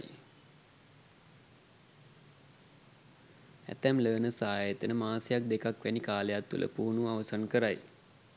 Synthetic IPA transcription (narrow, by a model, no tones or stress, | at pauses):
æ̰t̪æmləːnəsaːjet̪ənəmaːsejak̚d̪ekakʋænikaːlejat̪ːṵlə̰puːnuaʋəsankəɾaj